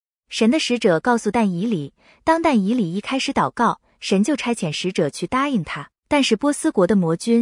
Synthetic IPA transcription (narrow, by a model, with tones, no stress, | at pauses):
ʂə˧˥nd̪ə˧ʂɻ̩˧˥ʈ͡ʂɤ˨˩kɑ˥˧ʊsu˧t̪a˥˩ni˧˥li˨˩˦ | t̪ɑ˥ŋt̪a˥˩ni˧˥li˨˩i˥˩kʰa˥ɪʂɻ̩˧˥t̪ɑ˨˩ʊkɑ˥˩ʊ | ʂə˧˥nt͡ɕjo˥˩ʊʈ͡ʂʰa˥ɪt͡ɕʰjɛ˨˩nʂɻ̩˧˥ʈ͡ʂɤ˨˩t͡ɕʰy˥˩t̪a˥i˥˩ŋt̪ʰa˥ | t̪a˥˧nʂɻ̩˥˩pwɔ˥sɹ̩˥kwɔ˧˥d̪ə˧mwɔ˧˥t͡ɕy˥n